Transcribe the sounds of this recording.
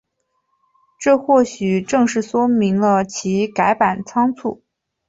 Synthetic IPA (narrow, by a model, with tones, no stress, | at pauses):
ʈ͡ʂɤ˥˧xwɔ˥˩ɕy˨˩ʈ͡ʂɤ˥˧ŋʂɻ̩˥˩swɔ˥mi˧˥ŋlə˧t͡ɕʰi˧˥ka˧˥ɪpa˨˩nt͡sʰɑ˥ŋt͡sʰṵ˥˩